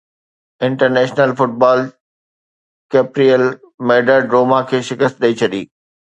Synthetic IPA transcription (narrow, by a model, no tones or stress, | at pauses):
ɪ̃ɳʈəɾnɛːʃnəlfʊʈ̚baːl | keːpɾiəl | meːɖəɖɾoːmakʰeːʃɪkəst̪̚ɗɐit͡ɕʰɐɗiː